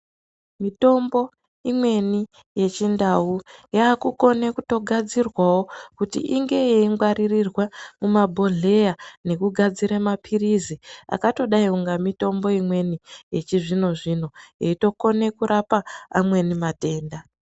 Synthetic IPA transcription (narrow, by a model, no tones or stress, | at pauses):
mito̞mbo̞ | imwe̞ni | je̞t͡ʃindawujaːkuko̞nekuto̞ɡʱad͡zirwawo̞kutḭʔiŋɡe̞jeiŋɡwaɾirirwamumabʱo̞ɮe̞jane̞kuɡʱad͡ziɾamapʰirizia̰kato̞ɗaiuŋɡamito̞mbo̞imwe̞nije̞t͡ʃiʐino̞ʐino̞jeito̞ko̞ne̞kuɾapaːmwe̞nimate̞ːnda